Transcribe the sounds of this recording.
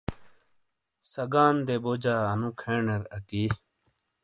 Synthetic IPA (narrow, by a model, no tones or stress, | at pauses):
sɐɡaːnd̪eːboːd͡ʑaːɐnũːkʰeːɳeɾɐkiː